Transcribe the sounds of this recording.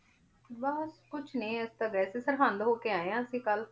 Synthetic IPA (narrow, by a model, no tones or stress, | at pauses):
bəskʊt͡ʃʰnĩːɛst̪aːɡɛːseːsəɾɦʰə̃nd̪ɦoːkeːaːejãːəsĩːkəl